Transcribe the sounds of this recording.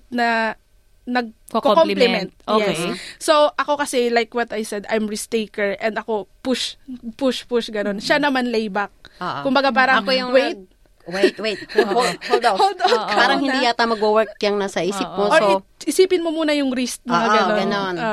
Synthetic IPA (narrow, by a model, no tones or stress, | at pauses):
nɐ | nɐɡ̚ | kkokomplɪmɛnt̪̚ojɛssowʔɐko̞kɐsɛlajkwɐt̪ɐjsɛd̪ajmɹist̪ejkɛɹʔɛnd̪ɐko̞pʊʃpʊʃpʊʃɡɐno̞nʃanɐmanlejbɐk̚ːʔkːʊmbɐɡapaːɾɐŋɐkojʊŋwejt̪̚ | wejt̪wej̚ | od̪ohold̪ow̪̚aːɾɐŋhɪnd̪ijat̪amɐɡwowɛɹk̚jɐŋnasɐʔiːsɪp̚moooɪʔɪsiːpɪnmomuːnɐjʊŋɾist̪̚nɐɡɐoɡɐnono